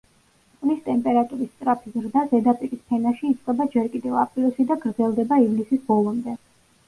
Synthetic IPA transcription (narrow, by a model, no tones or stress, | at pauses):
kʼnist̪ʼɛmpʼɛɾat̪ʼuɾist̪sʼɾapʰizɾd̪azɛd̪apʼiɾispʰɛnaʃiːt̪sʼqʼɛbad͡ʒɛɾkʼid̪ɛvapʼɾilsid̪aɡɾd̪zɛlˠd̪ɛbaivlisisbɔlˠɔmd̪ɛ